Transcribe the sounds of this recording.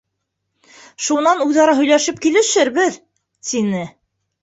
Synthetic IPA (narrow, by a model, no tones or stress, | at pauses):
ʃunɑnʉðɑɾɑɦɵ̆jlæʃɘp̚kilɘ̆ʃɘɾβɘð | t̪inɘ